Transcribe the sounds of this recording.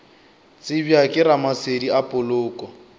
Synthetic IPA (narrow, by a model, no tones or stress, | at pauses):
t͡sʼɪbjakʼɪɾamasediapʼʊlʊːkʼɔ